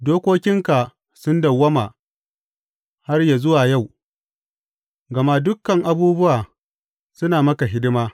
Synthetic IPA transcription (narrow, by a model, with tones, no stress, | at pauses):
doː˦kʷoː˦kʲɪ˦ŋka˨ | sʊ˦ndɐ˨wːɐ˦maː˨ | ha˦rja˨zʊ˦waː˨ja˦˨w | ɡɐ˨ma˦dʊ˦kːɐ˨ŋʔa˨buː˦bʊ˦waː˨ | sʊ˦naː˨mɐ˦ka˨ɦɪ˦dɪ˦maː˦